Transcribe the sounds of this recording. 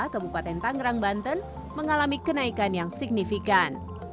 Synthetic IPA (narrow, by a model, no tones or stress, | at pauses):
kabupat̪ɛnt̪aŋɾaŋbant̪ən | məŋalamikənaikanjaŋsik̚nifikan